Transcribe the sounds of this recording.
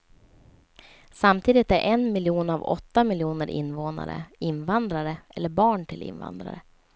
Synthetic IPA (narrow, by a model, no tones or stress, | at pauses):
samt̪ʰiːd̪ɪt̪æɾʔɛnmɪljuːnavɔ̰t̪ːamɪljuːnəɾʔɪ̰nːvoːna̰ɾə̰ɪnvand̪ɾaɾəʔɛlːəɾbɑːɳʈʰɪlɪ̰nva̰nd̪ɾa̰ɾə